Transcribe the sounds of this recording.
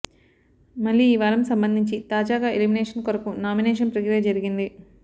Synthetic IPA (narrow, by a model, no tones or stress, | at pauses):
mɐɭːiːʋaːlɐmsɐmbɐnd̪ʱiɲt͡ʃit̪aːd͡ʒaːɡaːelimineːʂɐnkoɾɐkunaːminɛːʃɐnpɾɐɡɾɛːjɐd͡ʒɐɾiɡind̪i